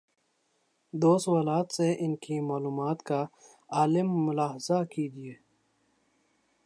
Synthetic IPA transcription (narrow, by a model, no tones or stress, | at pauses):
d̪oːswalaːt̪seʔɪnkimaːluːmaːt̪ka | aːlɪmːʊlaːɦzakid̪ijeː